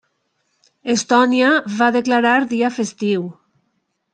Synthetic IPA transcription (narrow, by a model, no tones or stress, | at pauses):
est̪ɔniaβaðeklaɾaɾðiafest̪iw